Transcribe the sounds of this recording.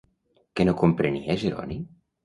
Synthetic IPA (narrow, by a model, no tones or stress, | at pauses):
kenokompɾeniaʒeɾɔ̰ni